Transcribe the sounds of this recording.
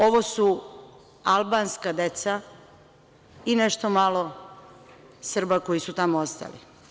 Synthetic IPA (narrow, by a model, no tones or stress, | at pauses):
o̞ʋosu | alˠbanskad̪e̞t̪sa | ineʃt̪omalo̞ | sr̩bako̞jisut̪amoost̪a̰lḭ